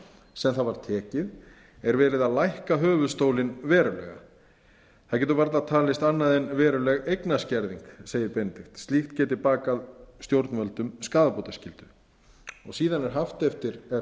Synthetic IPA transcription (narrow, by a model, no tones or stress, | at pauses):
sɛmθaðvaɾ̥t̪ʰɛːcɪð | ɛɾvɛːɾɪðaðlajhkaɦœːvʏðst̪owlɪnvɛːɾʏlɛ̰ɣa̰ | θaðcɛːt̪̬ʏvaɾt̪aðt̪ʰaːlɪst̪anːaðɛnvɛːɾʏlɛɣejknascɛɾðiŋkseːjðɪɾpɛnt̪ɪxt̪st̪lixt̪cɛːt̪ɪpaːkaðst̪jowɾt̪nvɛlt̪ʏmskaːðapowt̪ascɪlt̪ʏ | ɔɣsiːðanɛɾ̥ɦaft̪ɛft̪ɪɾɛ